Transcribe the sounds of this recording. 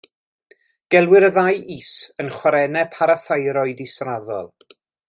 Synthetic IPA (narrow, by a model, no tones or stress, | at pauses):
ɡ̥ɛlˠwɪɾəðajʔisənχwaɾɛnɛpʰaɾaθajɾɔɨdɪsraðɔ̰lˠ